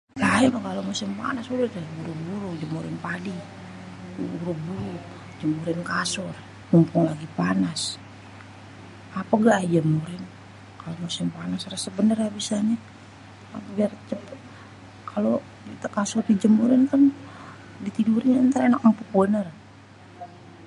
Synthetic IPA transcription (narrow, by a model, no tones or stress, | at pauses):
laɛlakalomasɪmpa̰nasuɾutabuɾubuɾud͡ʒəmuɾɪnpadi | uɾubuɾu | d͡ʒəmuɾɪnkasɔr | mumpʊŋlaɡipanas | apaɡad͡ʒəmuɾɪn | kalomasɪmpanasɾasəbənərabisaɲa | biart͡ʃəp | kʰalo | t̪akasɔrdid͡ʒəmuɾɪnkan | dit̪iduɾinant̪aɾɛnak̚umpukbənər